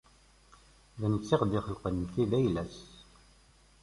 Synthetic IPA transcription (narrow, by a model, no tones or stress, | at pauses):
vænət͡sːiqd̪ɪχəlqənmθiðæjlæs